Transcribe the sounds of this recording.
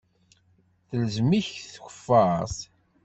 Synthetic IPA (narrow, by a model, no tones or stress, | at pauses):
θələzmiçθxʷə̥fːəsˤ